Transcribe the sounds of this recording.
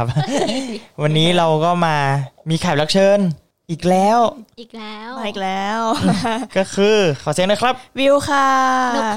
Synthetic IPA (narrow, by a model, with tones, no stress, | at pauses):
p̚ | wa˧nːiː˦˥ɾa˧wkɔː˥˩maː˧miː˧kʰaː˨˩p̚la˦˥k̚t͡ɕʰɤː˧n | ʔiː˨˩k̚lɛː˦˥w | aː˧ʔiː˨˩k̚lɛː˦˥wkɔː˥˩kʰɯː˧kʰɔː˨˩si˨˩˦nəː˧˥˩kʰɾa˦˥p̚wi˧wkʰa˥˩